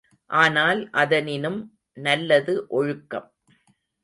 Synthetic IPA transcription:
ʔaːnaːlʔɐðɐnɪnɯm | nɐlːɐðɯʔɔɻʊkːɐ̰m

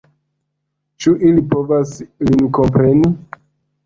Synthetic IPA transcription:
t͡ʃuʔilipo̞vaslinko̞mpɾe̞ni

